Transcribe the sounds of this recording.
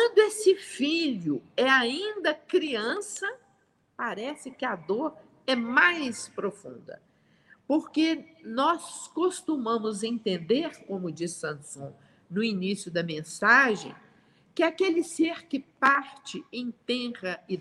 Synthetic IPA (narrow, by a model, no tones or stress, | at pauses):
kɐ̃nd̪ʊesɪfiʎʊɛaĩd̪ɐkɾiɐ̃sɐ | paɾɛsɪkɪad̪oɾ | ɛmajspɾofṵ̃nd̪ɐ̰ | poɾkenɔskost̪umɐ̃mʊzẽnt̪ẽnd̪eɾkõmʊd͡ʒisːɐ̃sõ | nʊinisjʊd̪ɐmẽsaʒḛ̃j̃ | kɪakelɪseɾkɪpaɾt͡ʃɪẽj̃t̪ɛ̃ʁɐɪ